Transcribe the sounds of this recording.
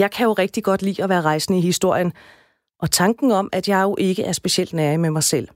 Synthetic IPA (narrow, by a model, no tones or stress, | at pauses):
jɑ̈ɪkʰæjo̝ʁɛɡ̥̚d̥iɡ̥ɒ̽d̥lḭːɒ̽ʋæːɐʁɑ̈ɪsn̩əihisd̥o̝ɐ̰jən | ʔɒ̽t͡sʰɑ̈ŋɡ̥n̩ɒ̽mæd̥jɑ̈ɪjo̝ʔe̝ɡ̥əʔæɐsb̥e̝ɕiel̰d̥næɐimemɑ̈ɪsel̰